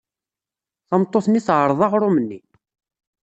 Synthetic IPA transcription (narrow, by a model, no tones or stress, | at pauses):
θɑmt̪ˤːoθniθʕəɾˤðˤɑʁɾumənːi